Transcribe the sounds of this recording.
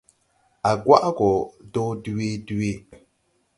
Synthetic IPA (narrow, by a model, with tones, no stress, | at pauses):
a˨ɡwa̰˦ʔɡɔ˨dɔ˦di˦de˦˨